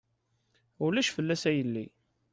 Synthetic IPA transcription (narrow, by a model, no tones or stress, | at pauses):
ʊlæʃfəlːæsæjəlːi